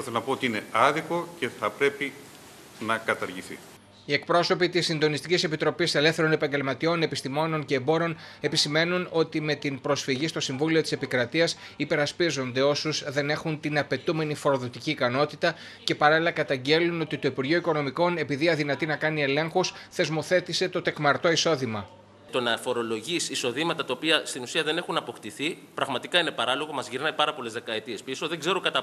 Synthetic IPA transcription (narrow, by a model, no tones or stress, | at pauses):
eθenɐpoot̪iine̞̰ɐðiko̞ce̞θɐpɾe̞pi | nɐkɐt̪ɐɾʝiθḭ | ie̞k̚pɾo̞so̞pit̪isːind̪o̞nist̪icise̞pit̪ɾo̞pise̞le̞fθe̞ɾo̞ne̞pɐɲɟe̞lmɐt̪io̞ne̞pist̪imo̞no̞nce̞ːbo̞ɾeo̞ne̞pisime̞nuno̞t̪ime̞t̪inpɾo̞sfiʝist̪o̞siɱvulio̞t̪i̥se̞pikɾɐt̪iɐs | ipe̞ɾɐspizo̞nd̪e̞o̞suzðe̞ne̞xunt̪inɐpe̞t̪ume̞nifo̞ɾo̞ðo̞t̪iciːkɐno̞t̪it̪ɐ | ce̞pɐɾɐlilɐkɐt̪ɐɲɟe̞luno̞t̪it̪o̞ipuɾʝioiko̞no̞miko̞ne̞piðiɐðinɐt̪inɐkɐnie̞le̞ŋxusθe̞zmo̞θe̞t̪ise̞t̪o̞t̪e̞kmɐɾt̪o̞iso̞ðimɐ | t̪o̞nɐfo̞ɾo̞lo̞ʝisiso̞ðimɐt̪ɐt̪ɐopiɐst̪inusiɐðe̞ne̞xunɐpo̞kt̪iθi | pɾɐɣmɐt̪ikɐine̞pɐɾɐlo̞ɣo̞mɐzʝiɾnɐjpɐɾɐpo̞le̞zðe̞kɐe̞t̪ie̞spiso̞ðe̞ŋɡze̞ɾokɐt̪ɐ